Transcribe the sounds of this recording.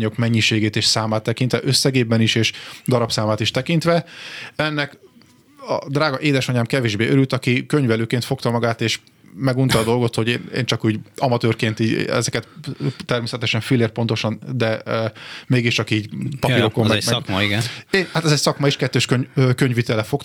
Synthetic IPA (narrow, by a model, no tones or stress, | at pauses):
ɲo̞kmɛɲːiʃeːɡeːt̪eːʃsaːmaːt̪ːɛkint̪ʋɛʔøsːɛɡeːbɛniʃeːʃd̪ɒɾɒpsaːmaːt̪iʃt̪ɛkint̪ʋɛɛnːɛk | ɒd̪raːɡɒʔeːd̪ɛʃɒɲaːmkɛveːʒbeːøɾylt̪ɒkikøɲvɛløːkeːnt̪fo̞kt̪ɒmɒɡaːt̪eːʃ | mɛɡunt̪ɒːd̪o̞lɡo̞t̪ho̞ɟeːnḛːnt͡ʃɒkuːɟɒmɒt̪øːrkeːnt̪iːɟ̰ɛ̰zɛkɛt̪t̪ɛrmeːsɛt̪ɛʃɛɱfilːeːrpo̞nt̪o̞ʃɒnd̪ɛ | meːɡiʃt͡ʃɒkiːɟpɒpiɾo̞kommːɛmɛkiɡɛnehat̪ɛzɛcsɒkmɒiʃkɛt̪ːøːʃkøɲøkøɲvit̪ɛlɛfo̞kt